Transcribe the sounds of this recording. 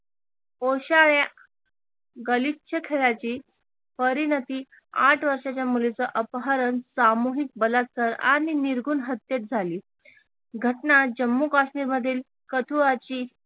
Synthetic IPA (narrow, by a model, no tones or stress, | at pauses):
oɕaɭja | ɡəlitɕʰəkʰeɭat͡ɕiː | pəɾinət̪iː | aʈʰʋəɾʂat͡ɕjamulet͡səʔəpɦaɾənsamuɦik̚bəlat̪̚kəɾa̰ñiniɾɡuːnɦət̪ːjet̪̚d͡zʱaliː | ɡʱəʈnad͡ʑəmːukaɕmiːɾməd̪ʱːiːl | kət̪ʰuɭat͡ɕiː